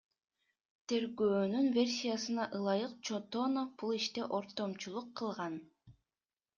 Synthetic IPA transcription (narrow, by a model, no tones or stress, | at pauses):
t̪ʰe̞ɾɡøːnynvʲe̞rʲsʲijasɯnɑʔɯlˠɑjɯq̚t͡ʃʰot̪onob̥ulˠiʃt̪eʔo̞ɾt̪o̞mt͡ʃulˠuqʰːɯlˠʁɑn